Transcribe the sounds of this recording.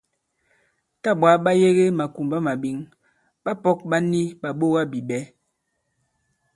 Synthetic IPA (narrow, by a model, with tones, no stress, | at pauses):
ta˦˨ɓwa˨˦ɓa˦je˦ɣe˦ma˨ku˨mba˦ma˨bi˨˦ŋ | ɓa˦pɔ˦k̚ɓa˦ni˦ɓa˨ɓo˦ɣa˦bi˨ɓɛ˨˦